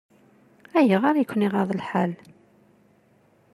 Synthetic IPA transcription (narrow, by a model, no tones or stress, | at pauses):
æjəʁaɾjəkʷːniʁɑðˤlħal